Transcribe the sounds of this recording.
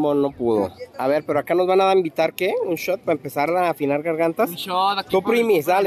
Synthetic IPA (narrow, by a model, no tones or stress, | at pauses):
mono̞puðo̰aβe̞ɾpeɾoakano̞zβanaðaimbit̪aɾkeunʃot̪̚paempe̞saɾafinaɾɣaɾɣant̪asʃot̪t̪upɾimisd̪ale